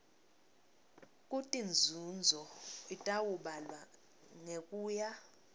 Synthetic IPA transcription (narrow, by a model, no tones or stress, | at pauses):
kʼutʼind͡zʱund͡zʱɔitʼawuɓalwa | ŋekʼuːja